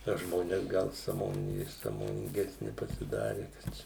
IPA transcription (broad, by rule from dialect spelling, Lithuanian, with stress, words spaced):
nɐ ˈʒmoːnʲɛs ˈɡɐlˠ sɑːˈmoːn sɑːmoːnʲɪŋʲˈɡʲæːsʲnʲɪ pɐsʲɪˈdɑːrʲɪ kɐt ˈt͡ʃʲɛ